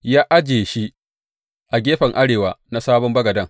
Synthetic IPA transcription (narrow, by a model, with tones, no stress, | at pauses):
jaː˦ʔa˦d͡ʒeː˨ʃi˦ | ʔa˨ɡʲeː˦ɸɐ˨ŋʔa˦ɽeː˨waː˨na˦saː˦bɔ˦mbɐ˦ɡɐ˨dɐ˦ŋ